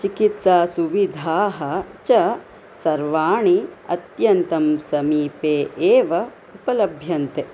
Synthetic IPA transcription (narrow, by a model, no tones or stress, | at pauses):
t͡ʃikit̪saːsuʋid̪ʱaːɦɐ̆t͡ʃɐ | sɐɾʋaːɳiɐ̰t̪jɐnt̪ɐmsɐmiːpeːʔeːʋɐ | upɐlɐbʱjɐnt̪e